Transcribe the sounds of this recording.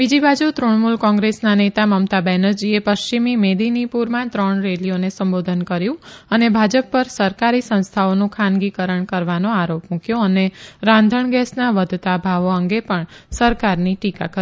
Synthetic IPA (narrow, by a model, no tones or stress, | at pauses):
bid͡ʒibad͡ʒut̪ɾoɳmulkɔ̃ŋɡɾesnanet̪aməmt̪abɛnəɾd͡ʒiepəʃt͡ʃimimed̪inipuɾmãt̪ɾəɳɾelijonesəmbod̪ʱənkəɾjũənebʱad͡ʒəpːəɾsəɾkaɾisə̃ñst̪ʰaonũkʰãnɡikəɾəɳkəɾʋanoaɾopmũkjoəneɾãnd̪ʱəɳɡɛsnaʋəd̪ʱt̪abʱaʋoəŋɡepəɳsəɾkaɾniʈika̰kəɾ